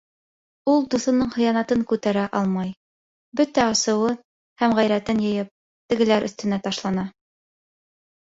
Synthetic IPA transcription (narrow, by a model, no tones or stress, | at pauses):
ulˠd̪uθɤ̆nɤɴχɤ̆jɑnɑt̪ɤŋkʉt̪æɾæʔɑlˠmɑj | bɵt̪æɑsɤ̆wɤn | hæmʁæjɾæt̪ɘnjɤ̆jɤp̚ | t̪ɘ̆ɡɘ̆læɾʔɵ̆θt̪ɘ̆næt̪ɑʃlˠɑnɑ